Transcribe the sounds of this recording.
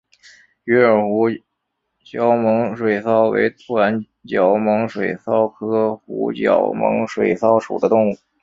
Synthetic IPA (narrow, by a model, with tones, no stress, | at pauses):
y˧˥ə˞˨˩xu˧˥ | t͡ɕjɑ˧˥ʊmɤ˧˥ŋʂwe˨˩ɪsɑ˥˩ʊwḛ˧˥ɪt̪ʰu˥wa˧˥n | t͡ɕjɑ˧˥ʊmɤ˧˥ŋʂwe˨˩ɪsɑ˥ʊkʰɤ˥xṵ˧˥t͡ɕjɑ̰˨˩˥ʊmɤ̰˧˥ŋʂwe˨˩ɪsɑ˥ʊʂṵ˨˩d̪ə˦t̪ʊ˥˧ŋu˥˩